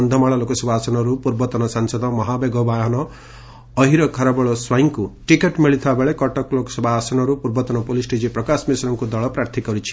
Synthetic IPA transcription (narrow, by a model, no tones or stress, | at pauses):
nd̪ʱɔmaɭalokɔsɔbʱaːsɔnɔɾupuɾbɔt̪ɔnɔsansɔd̪ʱɔmɔɦabeɡɔbaɦnɔː | ɦiɾɔkʰaɾabɔɭɔswaiŋkuʈikeʈmiɭit̪ʰibabeɭekɔʈɔklokɔ̥sɔbʱaːsɔnɔɾupuɾbɔt̪ɔnɔpolisʈed͡ʒipɾɔkasmisɾɔŋkud̪ɔɭɔpɾaɾt̪ʰikɔɾut͡ʃʰi̥